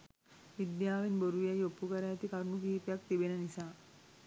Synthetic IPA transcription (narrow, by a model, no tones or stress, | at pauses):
ʋid̪jaʋinbəɾujajopːukaɾat̪ikaɾunukiɦipjak̚t̪ibenanisa